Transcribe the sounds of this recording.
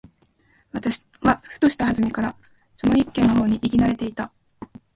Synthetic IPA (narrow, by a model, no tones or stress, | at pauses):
βat̪aɕ | βaɸɯ̥t̪o̞ɕi̥t̪aɦazɨmʲikaɾa | so̞no̞ikːẽ̞nːo̞ɦo̞ːɲ̟iʔikʲinaɾe̞t̪e̞it̪a